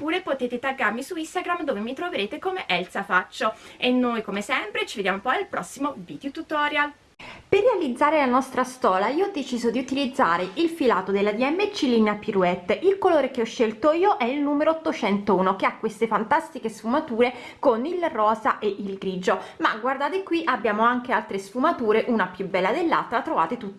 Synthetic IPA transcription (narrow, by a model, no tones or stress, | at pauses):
pːuːɾepot̪eːt̪et̪aɡarmisuist̪aɡɾamd̪oːvemit̪ɾoveɾeːt̪ekomeʔɛlsafat͡ʃːoenːojkomesɛmpɾet͡ʃived̪jamopɔjalpɾɔsːimovid̪jut̪ut̪ɔɾjal | perːealid̪zːaːɾelanɔst̪ɾast̪ɔːlaiːoɔd̪ːet͡ʃiːzod̪iut̪ilid̪zːa̰ːɾeʔilfilaːt̪od̪elːad̪iɛmːet͡ʃːilinapiɾuɛt̪ːʔilkoloːɾek̟eɔʃːelt̪oiːoʔɛilnuːmeɾoːt̪ːot͡ʃɛnt̪ouːnokeakːwest̪efant̪ast̪ikesfumat̪uːɾe | konilrɔːzaʔeʔilɡɾiːd͡ʒoma̰ɡward̪aːt̪ekwiʔabːjaːmoaŋk̟ealt̪ɾesfumat̪uːɾeʔunapjubːɛlːad̪elːa̰lt̪ːɾat̪ɾova̰ːt̪et̪ut̪ː